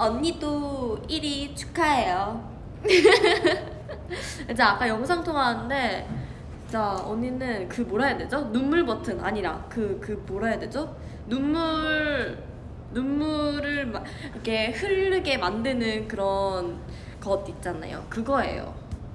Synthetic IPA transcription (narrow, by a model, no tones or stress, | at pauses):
ʌɲːid͈oiɾit͡ɕʰu̥kʰaejo | ɯd͡ʑaak͈ajʌŋosʰaŋtʰoŋaɯnde̞ | t͡ɕ͈aoɲinɯnkɯmoɾajadwe̞d͡ʑonumːuɭmʌtʰɯna̰ɲiɾa̰kɯkɯmoɾajadwe̞d͡ʑo | numːuɾ | numːuɾɯɭm | ikʰe̞hɯɭːɯɡe̞mandɯnɯnkɯɾʌn | kʌdit̚t͡ɕ͈ana̰jo̰kɯɡʌe̞̰jo̰